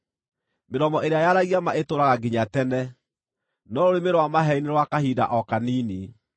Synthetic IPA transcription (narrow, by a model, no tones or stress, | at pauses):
meɾɔmɔʔeɾeajaɾaɣiamaʔetoːɾaɣaɡiɲatɛnɛ | nɔɾoɾemeɾɔwamaɦɛineɾwakahida̰ʔɔkaniːne